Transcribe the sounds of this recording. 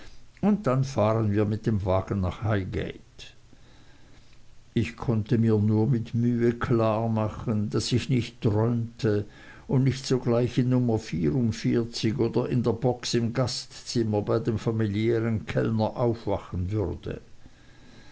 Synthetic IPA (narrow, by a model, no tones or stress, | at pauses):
ʊnt̚d̥anfaːʁənviːɐmɪt̚d̥emvaːɡ̥ən̩naχhaɪɡḛɪt | ɪçkʰɔntəmiːɐnuːɐmɪtmyːəkʰlaːɐmaχəndasɪçnɪçtːʁɔʏmtʰə | ʊndnɪçtz̥oːɡlaɪçɪnːʊmɐfiːʁʊntfiːɐt͡sɪçoːdɐɪndeːɐbɔksɪmɡastt͡sɪmɐbaɪdemfamiljɛːʁənkʰɛ̰lnɐʔaʊfv̥aχən̩vʏʁd̥ə̰